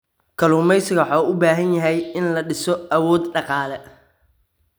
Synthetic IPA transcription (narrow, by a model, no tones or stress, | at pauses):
kʰɐluːmɛjsɪɣɐwħɑːʔʊbaːɦɐnjɐɦɛjɪnlɐɖɪsɔɐwɔːd̪ɖɑqɑːlɛ